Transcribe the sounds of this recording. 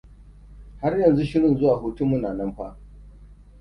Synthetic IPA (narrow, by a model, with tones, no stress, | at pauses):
ha˦rjɐ˨nzu˦ʃɪ˦ɽɪ˨nzʊ˦waː˨ɦu˦tu˦mːu˦naː˨nɐ˦mɸa˦ʔ